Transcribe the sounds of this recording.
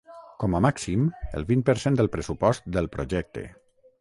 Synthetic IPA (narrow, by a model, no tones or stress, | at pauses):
kɔməmaksimə̰lˠβinpəɾsend̪əlˠpɾəsupɔst̪d̪əlˠpɾoʒɛk̚t̪ḛ